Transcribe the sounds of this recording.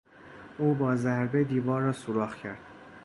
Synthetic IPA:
ʔuːbɒːzæɾbed̪iːvɒːɾːɒːsoɾɒːχcʰæɾd̪̥

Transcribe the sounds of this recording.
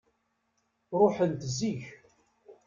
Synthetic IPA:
ɾˤoħənt̪ziç

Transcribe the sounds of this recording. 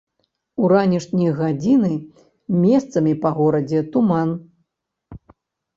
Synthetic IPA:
uɾanʲiʂnʲijɣad͡zʲinɨ | mʲɛst̪sɐmʲipɐɣɔɾɐd͡zʲɛt̪uman

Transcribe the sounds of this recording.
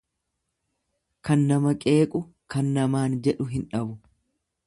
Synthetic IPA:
kɐnːɐmɐkʼe̞ːkʼʊ | kɐnːɐmaːnd͡ʒɛᶑʊɦɪnᶑɐbʊ

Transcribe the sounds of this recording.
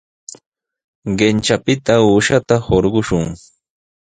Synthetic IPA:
ɢent͡ʃapɪt̪auːʃat̪ahoɾɢʊʃʊŋ

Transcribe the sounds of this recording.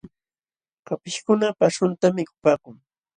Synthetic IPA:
kapɪʃkʊnapaʂʊnt̪amɪkʊ̥paːkʊŋ

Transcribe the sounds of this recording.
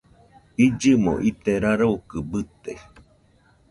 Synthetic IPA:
id͡ʒɨmo̰ʔit̪eɾaɾoukɨbɨt̪e

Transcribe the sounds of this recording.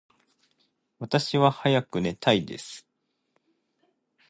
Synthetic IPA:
βat̪aɕiβahajakɯ̟ne̞t̪aid̪e̞sɨ̥

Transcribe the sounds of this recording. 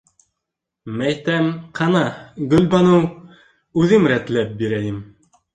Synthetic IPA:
mæjt̪æmqʰɑnɑɡɵ̆lbɑnɤw | ʉðɘmɾæt̪læp̚biɾæjɘm

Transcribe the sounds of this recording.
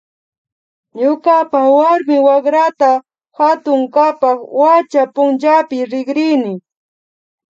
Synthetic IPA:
ɲʊkapawaɾmɪwakɾat̪a | hat̪ʊŋkapɑχwat͡ʃapʊnt͡ʃapɪɾɪɡɾɪnɪ

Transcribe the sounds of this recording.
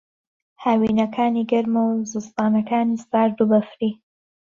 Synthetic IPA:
hawinakʰaːniɡaɾmowzust̪ɑːnakaːnist̪aːɾɖubafɾi

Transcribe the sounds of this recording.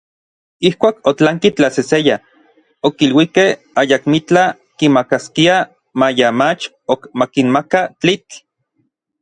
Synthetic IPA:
ihkʷaːkot͡ɬaŋkit͡ɬaseseja | okilwikeh | ajakmit͡ɬa | kimakaskia | majamat͡ʃ | okmakinmakat͡ɬit͡ɬ

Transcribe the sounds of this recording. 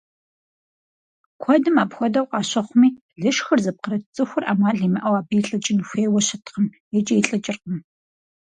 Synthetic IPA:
kʷʰɔdɨmaːpxʷɔdɐwqʼɑːɕɐχʷʊmiː | ɮɨʃxɐrzɐp̚qəɾɐtt͡sʼɨxʷʊrʔa̰ːmaːɮiːmɨʔɐwaːbiɬʼɐt͡ʃʼɪnxʷeːwɔɕɐtʰqəm | jɛt͡ʃʼɐjiɬʼɐt͡ʃʼɪrqəm

